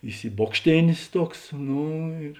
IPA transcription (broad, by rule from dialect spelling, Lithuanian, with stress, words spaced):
ɪsʲɪˈboːkʃʲtʲeːnʲeːs ˈtuɔks ˈnoː ɪr